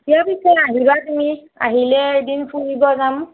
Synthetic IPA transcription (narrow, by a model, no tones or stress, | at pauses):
tijapisɔjaɦibatumi | a̰ɦilɛdinpʰulibɔzam